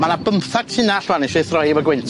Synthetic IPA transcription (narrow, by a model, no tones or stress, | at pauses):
manabəmθaɡ̥̚tʰɪnaɬwanɪʃɪθrɔjvəɡwɪntʰ